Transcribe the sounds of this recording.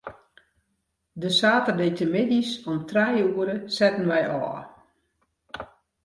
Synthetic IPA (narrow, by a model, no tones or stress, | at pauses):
dəsaːtərdejtəmɪdisɔmtrɛjəuəɾəsɛtən̩ʋɛjʔɔ̰ː